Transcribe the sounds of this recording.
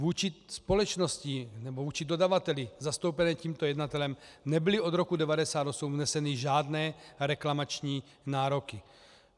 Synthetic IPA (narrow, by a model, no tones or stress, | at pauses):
vuːt͡ʃɪspo̞lɛt͡ʃnoscinɛbovuːt͡ʃido̞davat̪ɛlɪzast̪o̞wpɛnɛːciːmt̪ojɛdnat̪ɛlɛmnɛbɪlɪo̞d̪ɾo̞kudɛvadɛsaːd̪osumnɛsɛnɪʒaːdnɛːɾɛklamat͡ʃɲiː | naːɾokɪ